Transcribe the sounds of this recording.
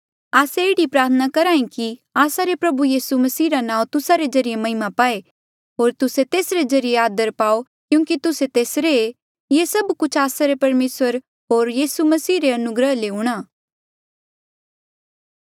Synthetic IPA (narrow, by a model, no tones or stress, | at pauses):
aːseɪːɽipɾaːɾt̪ʰənakɐɾaːĩkiaːsaɾepɾɐbujiːsumɐsiːɾanãːũt̪ʊsaɾezɐɾijemɐɦɪmapaːe | ɦoːɾt̪ʊset̪eːsɾezɐɾijeaːd̪əɾpaːo | kjũːkit̪ʊset̪eːsɾee | jesɐbkʊt͡ʃʰaːsaɾepɐɾmeːsəɾ | ɦoːɾjiːsumɐsiːɾeɐnʊɡɾəɦleʊɽ̃aː